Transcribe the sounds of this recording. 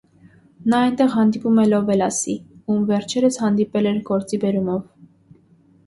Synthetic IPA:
nɑɑjnt̪ɛʁɦɑnd̪ipumɛlɔvɛlɑsiumvɛɾt͡ʃʰɛɾəshɑnd̪ipɛlɛɾɡɔɾt͡sibɛɾumɔv

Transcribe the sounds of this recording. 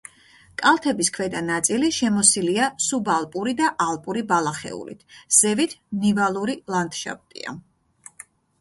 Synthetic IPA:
kʼalˠt̪ʰɛbiskʰvɛd̪anat̪sʼiliʃɛmɔsiliasubalˠpʼuɾid̪aʔalˠpʼuɾibalˠaχɛ̰ṵlḭt̪ʰz̥ɛvit̪ʰnivalˠuɾilˠand̪̥ʃa̰p̚t̪ʼḭa̰

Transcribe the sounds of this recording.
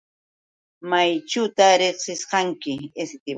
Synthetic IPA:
majt͡ʃʊt̪aɾeχsɪsqɑŋkɪesɪt̪ɪ

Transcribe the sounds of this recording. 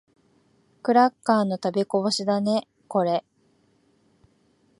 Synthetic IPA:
kɯ̟ɾakːaːno̞t̪abeko̞boɕid̪ane̞ | ko̞ɾe̞

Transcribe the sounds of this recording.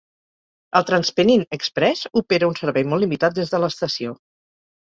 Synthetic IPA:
əlˠt̪ɾənspəninəkspɾɛsupeɾəunsəɾβɛjmɔlːimit̪at̪̚d̪ezðələst̪əsio

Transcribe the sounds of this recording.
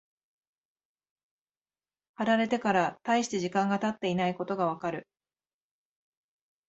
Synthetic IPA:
haɾaɾe̞t̪e̞kaɾat̪aiɕi̥t̪e̞ʑikãŋɡat̪at̪ːe̞inaiko̞t̪o̞ɡaβ̞akaɾɯ̟

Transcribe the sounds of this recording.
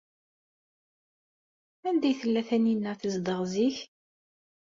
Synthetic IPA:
ænd̪æjθəlːæθæninːəθəzd̪əʁziç

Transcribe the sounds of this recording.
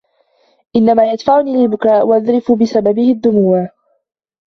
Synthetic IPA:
ʔɪnːamaːjad̪faʕʊniːlɪlbʊkaːʔwaʔaðɾɪfʊbɪsababɪhɪd̪ːʊmuːa

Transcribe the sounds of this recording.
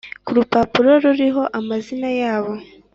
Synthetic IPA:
kuɾupapuɾo̞ɾuɾiɦo̞ʔamazinajaːβo̞

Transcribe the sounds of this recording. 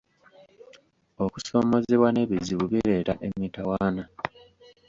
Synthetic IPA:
o̞kuso̞ːmo̞zeβwane̞βiziβuβiɾe̞ːɾaʔe̞mitawaːna

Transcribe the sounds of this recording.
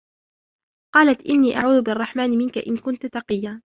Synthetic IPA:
qɑːlat̪ʔɪnːiːʔa̰ʕuːðʊbɪʔɑrˤːɑħmaːnɪmɪnkaʔɪnkʊnt̪ʊt̪ɑqɨjːaː

